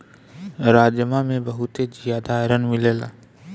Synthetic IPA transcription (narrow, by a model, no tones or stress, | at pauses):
ɾaːd͡ʒjəmamẽbɐɦut̪ed͡ʒijaːd̪aːɾənmɪleːla̰